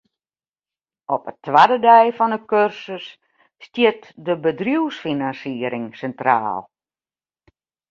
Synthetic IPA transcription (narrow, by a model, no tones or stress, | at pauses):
ɔpətʰːʋadədɛjfɔnəkørsəsː | tjɪtdəbədrjuwsfinansiəɾɪŋsɛntra̰ːlˠ